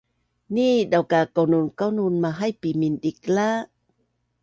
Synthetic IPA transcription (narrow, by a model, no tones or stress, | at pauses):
nidawkakawnunkawnunmaɦajpiminɗik̚la